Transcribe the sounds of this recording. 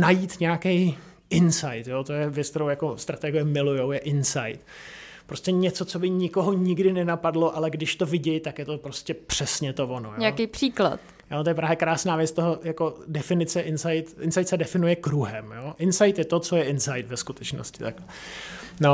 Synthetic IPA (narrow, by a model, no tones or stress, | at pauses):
najiːt̪ɲɛakɛj | ʔɪnsajt̪joːt̪ojɛvjɛt͡sk̚t̪ɛɾowjako̞st̪ɾat̪ɛɡɪjɛmɪlujowjɛʔɪnsajt̪ | pɾo̞scɛɲɛt͡so̞t͡so̞bɪɲɪko̞ɦoɲɪɡdɪnɛnapadlo̞ʔalɛɡdɪʃt̪o̞vɪɟɛjt̪akjɛt̪o̞pɾo̞scɛpr̥ɛsɲɛt̪ovonojoɲɛakejpr̥iːkla̰t̪ | jot̪ojɛpɾaːvjɛkɾaːsnaːvjɛt͡st̪oɦojako̞dɛfɪnɪt͡sɛʔɪnsajt̪ʔɪnsajt̪sɛdɛfɪnujɛkɾuɦɛmjoːʔɪnsajt̪jɛt̪o̞t͡so̞jɛʔɪnsajt̪vɛskut̪ɛt͡ʃno̰scɪt̪akɛ | no